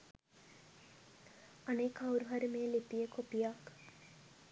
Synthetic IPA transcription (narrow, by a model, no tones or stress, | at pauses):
aneːkawɾuɦaɾimeːlipijəkʰopijak